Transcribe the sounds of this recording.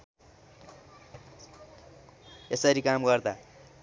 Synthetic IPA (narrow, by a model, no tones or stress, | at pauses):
esʌɾikamɡʌrd̪a